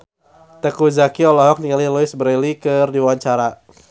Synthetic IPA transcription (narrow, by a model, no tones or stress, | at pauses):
t̪ɛkuzakiɔlɔɦɔk̚niŋaliluɪsbəɾelikɨrdiwaɲt͡ʃaɾa